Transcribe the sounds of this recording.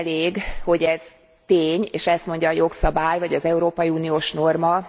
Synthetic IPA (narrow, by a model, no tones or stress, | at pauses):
leːɡho̞ɟɛz̥ | t̪eːɲeːʃɛst̪mo̞ɲɟɒːjo̞ksɒbaːjvɒɟɒzɛuɾoːpɒjiuːnijoːʃno̞rmɒ